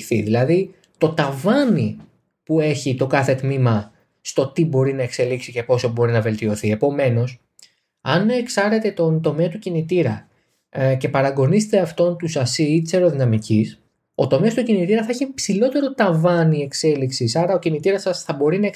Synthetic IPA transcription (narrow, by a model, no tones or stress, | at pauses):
θḭðilɐði | t̪o̞t̪ɐvɐni | pue̞çit̪o̞kɐθe̞t̪mimɐ | st̪o̞t̪ibo̞ɾinɐe̞kse̞liksice̞po̞so̞bo̞ɾinɐve̞lt̪io̞θie̞po̞me̞no̞s | ɐneksɐɾe̞t̪e̞t̪o̞nt̪o̞me̞ɐt̪ucinit̪iɾɐ | ce̞pɐɾɐɡo̞niset̪e̞ɐft̪o̞nt̪usɐsiit̪i̥seɾo̞ðinɐmicis | o̞t̪o̞meɐst̪ucinit̪iɾɐθɐeçipsilo̞t̪e̞ɾo̞t̪ɐvɐnie̞kse̞liksisɐɾɐo̞cinit̪iɾɐsɐsθɐbo̞ɾinɐ